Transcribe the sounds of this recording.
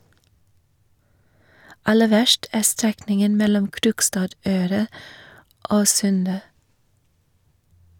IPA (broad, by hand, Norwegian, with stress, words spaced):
ˈɑlə ˈʋæʃʈ ˈæː ˈstɾɛknɪŋən ˈmɛlɔm ˈkɾʊkstɑːˌdøːɾɑ ˈoː ˈsʉndə